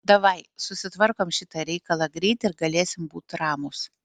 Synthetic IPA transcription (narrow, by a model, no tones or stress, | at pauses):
d̪ɐʋɐɪsʊsʲɪt̪ʋɐɾkoːmʃʲɪt̪ɐɾʲɛɪkɐlˠɐɡɾʲɛɪt̪ʲɪɾɡɐlʲeːsʲɪmbuːt̪ɾɑːmʊs